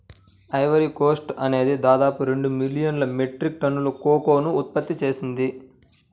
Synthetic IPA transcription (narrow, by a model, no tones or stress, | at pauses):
ɐjʋɐɾiko̞ːsʈɐne̞ːd̪id̪aːd̪aːpuɾe̞ɳɖumilijɐnlɐmeʈɾik̚ʈɐnːulukoːko̞ːnuːt̪̚pɐt̪ːit͡ʃe̞ːsind̪i